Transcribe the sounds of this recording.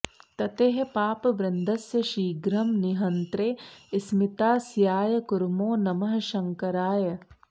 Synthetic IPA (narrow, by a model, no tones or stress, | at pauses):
t̪ɐt̪eːɦepaːpɐʋɾɐnd̪ɐsjɐʃiːɡɾɐmniɦɐnt̪ɾeːɪsmɪt̪aːsjaːjɐkʊɾmoːnɐmɐɦɐ̆ʃɐŋkɐɾaːjɐ